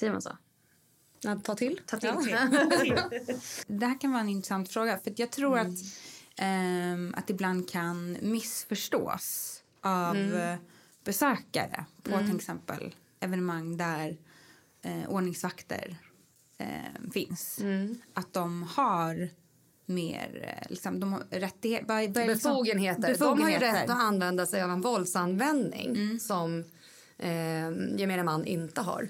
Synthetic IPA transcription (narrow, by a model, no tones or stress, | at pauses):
sɛəma̰nso̰ | t̪ʰɑːt̪ʰɪlʰː | d̪ɛhæːɾkʰanvɑːɾɛnɪnt̪ɾɛsant̪fɾoːɡafœɾat̪jɑːɡ̚t̪ʰɾuːɾat̪ | a̰t̪ɪbland̪̚kʰanmɪsfœʂʈo̰ːs | ʔav | b̥ɛsøːka̰ɾə̰pʰɔt̪ʰɪlɛksɛmpə̰l | ɛvɛnɛmaŋːd̪æɾ | ʔoːɳɪŋsvakt̪ə̰ɾ | fɪnsʔat̪̚d̪ɔmhaɾ | mḛːɾlɪ̰ksɔmd̪ɔmɾɛt̪ːɪhevavalbɛkfuːɡənheːtb̪əbɛdfuɔmhaɾeɾɾɔanːvɛnd̪asɛjavɛnvɔld̪sanvɛnd̪nɪ̰ŋːsɔm | jɛmeːnamanːʔɪnt̪əɦa̰ɾ